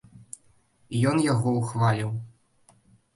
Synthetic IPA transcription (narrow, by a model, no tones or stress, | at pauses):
ijɔnjaɣɔwxvalʲiw